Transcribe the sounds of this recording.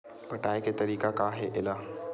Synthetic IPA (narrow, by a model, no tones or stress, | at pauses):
pɐʈaːeket̪ɐɾiːkakaɦɛʔɪlaː